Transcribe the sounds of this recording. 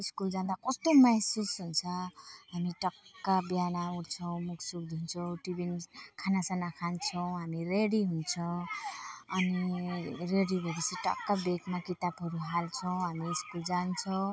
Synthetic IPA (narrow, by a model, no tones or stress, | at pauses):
iskuld͡zãnd̪akʌst̪omasusɦunt͡sʰʌɦamiʈʌkːabjanauɽt͡sʰʌw̃muksuk̚d̪ʱunt͡sʰʌw̃ʈibinkʰanasanakʰant͡sʰʌw̃ɦamireɽiɦunt͡sʰʌ | ʌniɾeɽibʱʌɾisiʈʌ̰kːabekmakit̪abɦʌɾuɦalt͡sʰʌw̃ɦamiːskuld͡zant͡sʰʌw̃